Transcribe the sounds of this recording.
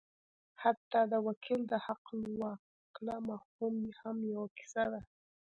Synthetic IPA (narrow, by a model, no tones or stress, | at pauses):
hat̪ːɑd̪əwakʰild̪əhaqlwɑ | klamahumjhamjawakɪ̥sad̪a